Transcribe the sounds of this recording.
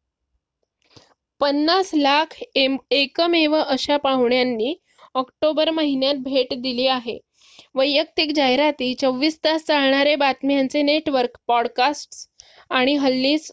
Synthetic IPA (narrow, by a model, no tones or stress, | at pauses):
pənːaslakʰekəmeʋəʔəɕapaʋɳjanːiː | ɔkʈobəɾməɦinjat̪̚bʱeʈd̪iliːaɦḛ | ʋəjːək̚t̪ikd͡ʑajɾat̪iːt͡səʋːiːst̪ast͡saɭɳ̃aɾebat̪mjant͡seneʈʋəɾkpɔɽkasʈs | aɽ̃iɦəlːiːs